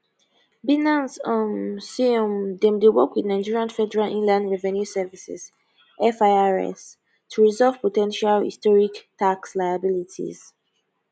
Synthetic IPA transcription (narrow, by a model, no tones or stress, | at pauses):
binãnsɔ̃nsiɔ̃mdɛ̃mdewɔkwidnãɪ̃nd͡ʒiɹiãnfɛdɛɹalʔĩnlãndɹɛvɛ̃njusɛvisɛ̰z̥ | ʔɛfaɪaɹɛ̰s | tʰuɹizɔlvpotɛ̃nʃalhḭstɔɹiktʰakslaɪabilitʰḭz̥